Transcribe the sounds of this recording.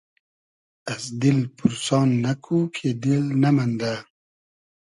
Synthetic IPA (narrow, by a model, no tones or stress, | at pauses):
asd̪ɪlpuɾsɑːnːɐkʰukʰed̪ɪlnamand̪a